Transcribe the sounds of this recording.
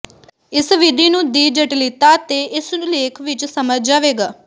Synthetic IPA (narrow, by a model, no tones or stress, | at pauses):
ɪsʋɪd̪iːnũːd̪iːd͡ʒəʈlɪt̪aːt̪eːɪsũleːkʰʋɪt͡ʃsəməd͡ʒd͡ʒaːʋeːɡaː